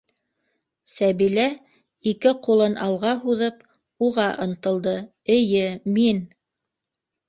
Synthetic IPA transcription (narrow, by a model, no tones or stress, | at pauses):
sæβilæ | ikɘqulˠɤnʔɑlˠʁɑɦuðɤp | uʁɑʔɤ̆nt̪ɤ̆lˠd̪ɤ | ɘ̆jɘmin